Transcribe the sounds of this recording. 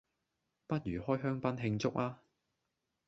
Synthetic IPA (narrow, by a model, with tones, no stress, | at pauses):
pɐ˥t̚jɥyː˨˩hɔː˥jɦœː˥ŋpɐ˥nɦɪ˧ŋt͡sʊ˥k̚aː˥